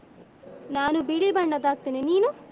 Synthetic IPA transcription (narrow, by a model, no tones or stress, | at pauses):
naːnubiːɭibɐɳɖɐd̪aːk̚t̪iːniniːnu